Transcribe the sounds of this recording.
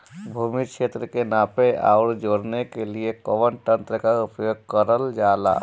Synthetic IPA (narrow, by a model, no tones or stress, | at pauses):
bʱumit͡ʃʰet̪ɾəkenapea̰ʊɾd͡ʒoɽnekeliekɔʋənʈə̃nt̪ɾəkaupjoɡ̚kəɾəld͡ʒala̰